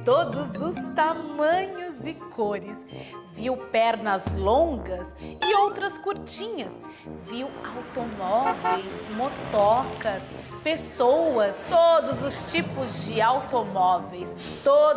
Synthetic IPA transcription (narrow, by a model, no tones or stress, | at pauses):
t̪od̪ʊzʊst̪amɐ̃ɲʊzɪkʰoɾɪsviwpɛɾnɐzlõŋɡɐsɪowt̪ɾɐskuɾt͡ʃĩɲɐs | viwawt̪omɔvejsmot̪ɔkɐs | pesowɐst̪od̪ʊzʊst͡ʃipʊzd͡ʒɪawt̪omɔvejst̪o